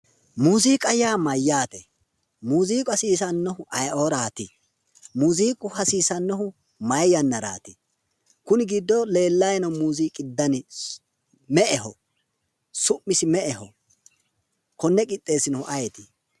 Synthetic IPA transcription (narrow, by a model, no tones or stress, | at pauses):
muːziːkʼɐjaːmɐjːaːt̪ɛ | muːziːkʼɐsiːsɐnːɔhʊʔɐjʔoːɾaːt̪ɪ | muːziːkʼʊhɐsiːsɐnːɔhʊ | mɐjjɐnːɐɾa̰ːt̪ɪ | kʊnɪɡid̪ːɔle̞ːlːɐjnɐmuːziːkʼɪd̪ːɐnɪ | mɛʔɛhɔ | sʊmːɪsɪmɛʔɛhɔ̰ | kɔnːɛkʼɪt̪ʼːe̞ːsɪnɔhʊʔɐjɛt̪ɪ̥